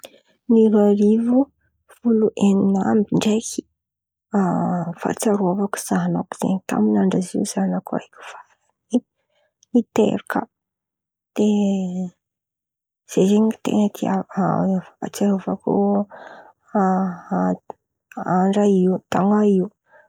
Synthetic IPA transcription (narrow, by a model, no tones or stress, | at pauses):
niɾaɾivu | fuluʔeninambiɳɖ͡ʐekʰi̥ | afa̰t͡saɾuavaku̥z̥aɦanaku̥z̥ḛɲit̪a̰minaɳɖ͡ʐazḭuzanakua̰kʲu̥fḁ | i | it̪ḛɾikə̰ | d̪̥e | z̥ezeɲit̪ḛnt̪ia | at͡saɾavaku | aɳɖ͡ʐaiut̪aŋaiu